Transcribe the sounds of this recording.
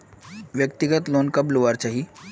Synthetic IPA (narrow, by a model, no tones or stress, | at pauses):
ʋjəkt̪iɡət̪lonkəploʋaɾt͡ɕaɦi